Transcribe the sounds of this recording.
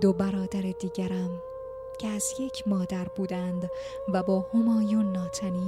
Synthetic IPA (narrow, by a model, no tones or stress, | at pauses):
d̪obæɾɒːd̪æɾed̪iːɟæɾæm | cʰeæzje̞cʰmɒːd̪æɾbuːd̪ænd̪ | væbɒːhomɒːjunːɒːt̪ʰæniː